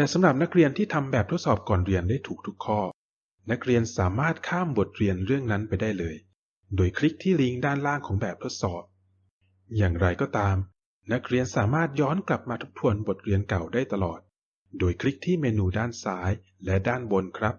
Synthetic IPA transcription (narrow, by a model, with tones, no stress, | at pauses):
t̪ɛː˨˩sa˩˦mɾa˨˩p̚na˦˥k̚ɾi˧ənt̪ʰiː˥˩t̪ʰa˧mbɛː˨˩p̚t̪ʰo˦˥t̪sɔː˨˩p̚kɔː˨˩nɾi˧əndaː˥˩jt̪ʰuː˨˩k̚t̪ʰu˦˥kʰːɔː˥˩ | na˦˥k̚ɾi˧ənsaː˩˦maː˥˩t̪̚kʰaː˥˩mbo˨˩t̪̚ɾi˧ənɾɯ˥˩əŋna˦˥npa˧jdaː˥˩jlɤː˧j | doː˧jkʰɾi˦˥k̚t̪ʰiː˥˩li˦˥ŋdaː˥˩nlaː˥˩ŋkʰɔː˩˦ŋbɛː˨˩p̚t̪ʰo˦˥t̪̚sɔː˨˩p̚ | jaː˨˩ŋɾa˧jkɔː˥˩t̪aː˧m | na˦˥k̚ɾi˧ənsaː˩˦maː˥˩t̪̚jɔː˦˥nkla˨˩p̚maː˧t̪ʰu˦˥p̚t̪ʰu˧ənbo˨˩t̪̚ɾi˧ənka˨˩wdaː˥˩jt̪a˧lɔː˨˩t̪̚ | doː˧jkʰɾi˦˥k̚t̪ʰiː˥˩meː˧nuː˧˩daː˥˩nsaː˦˥j | lɛ˦˥daː˥˩nbo˧nkʰɾa˦˥p̚